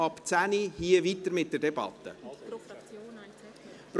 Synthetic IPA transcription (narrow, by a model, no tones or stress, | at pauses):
ɑpt͡sænihiːəvit̪əɾmɪt̚d̥ədɛbɑ̰t̪ːə̰ | pɾ